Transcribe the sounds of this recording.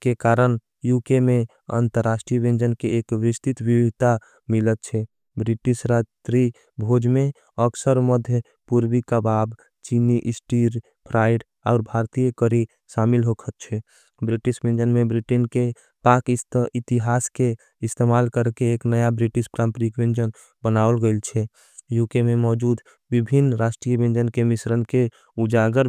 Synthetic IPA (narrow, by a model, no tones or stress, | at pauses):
kekaːɾən | jukemẽ | ə̰nt̪əɾːaːsʈɾiʋẽnd͡ʒənkeeːkʋɪst̪it̪ʋibit̪a | mɪlət̪̚t͡ʃʰɛ | bɾɪʈisɾad͡ʒt̪ɾi | bʱod͡ʒmẽ | əksəɾməd̪ʱjə | puɾwikabaːb | t͡ʃiniʔɪsʈiɾ | pʰɾaːɪɖ | aːɾbʱaɾt̪ijəkəɾi | ʃaːmɪlɦokʰət̪t͡ʃʰɛ | bɾɪʈiʃbẽnd͡ʒənmẽbɾiʈenke | pakɪt̪iɦaːske | ɪst̪emaːlkəɾkeːknəjabɾiʈiʃpɾãmpɾikʋẽnd͡ʒən | bənaːəlɡəlt͡ʃʰɛ | jukemẽmɔːd͡ʒuːd̪ | bibʱinːɾaːʃʈɾijəbẽnd͡ʒənkemɪsɾənke | ud͡ʒaɡəɾ